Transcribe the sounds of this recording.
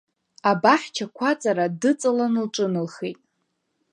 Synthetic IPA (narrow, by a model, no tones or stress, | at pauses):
abaħʲt͡ʃʰakʷʰat͡sʼaɾadɨt͡sʼalanɨlʈ͡ʂʼɨnɨlχejtʼ